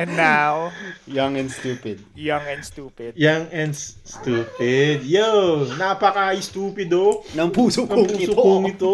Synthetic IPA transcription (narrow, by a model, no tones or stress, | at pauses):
nawjɐŋɛnst̪uːpɪd̪̚jaŋɛnst̪uːpɪd̪jaŋɛnsst̪uːpɪd̪̚jɛnapɐkaɪst̪uːpɪd̪onɐŋpuːsokɐopŋuːɪsokoŋɪt̪o